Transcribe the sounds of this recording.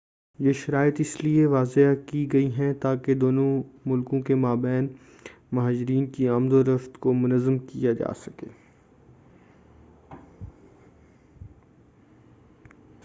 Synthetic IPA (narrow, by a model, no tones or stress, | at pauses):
jeʃɐɾaːɪət̪ɪslieʋaːzeakiɡɐiɦɛ̃t̪aːked̪oːnõmʊlkõkemaːbɛːn | mɐɦaːd͡ʒɪɾiːnkiɐmd̪oɾɐft̪komʊnəzːəmkijad͡ʒa̰ːsɐ̥kḛː